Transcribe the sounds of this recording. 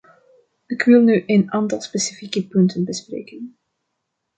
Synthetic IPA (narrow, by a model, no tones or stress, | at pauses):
ɪkʋɪlˠnyʔenɑntɑlˠspesifikəpɵntənbəsprḛːkən